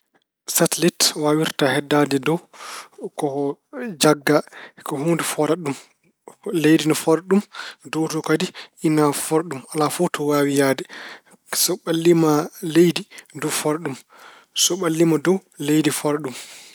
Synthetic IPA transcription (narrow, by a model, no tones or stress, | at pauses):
satɛlitwawiɾtahɛdːadɛdɔw | kɔd͡ʒaɡːakɔhuːndufɔɾaɗum | lejdinɔfɔɾaɗumdɔwtɔkadiʔinafɔɾɗumalafɔtɔwawijaːdɛ | sɔɓalːimalejdidufɔɾaɗum | sɔɓalːimadɔwlejdifɔɾaɗum